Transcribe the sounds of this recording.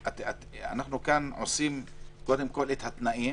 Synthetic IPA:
at̪at̪a̰naχnukanʕosimkod̪emkolet̪hat̪naʔi

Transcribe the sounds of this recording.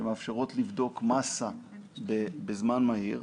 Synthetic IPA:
emeafʃeʁo̞tlivdo̞kmasa | bebezmanmaiʁ

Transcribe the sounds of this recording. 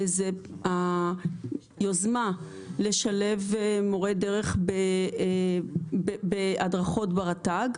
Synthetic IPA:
zea | jozma | leʃale̞vmo̞ʁedeʁeχbe | beadʁaχo̞tbeʁataɡ

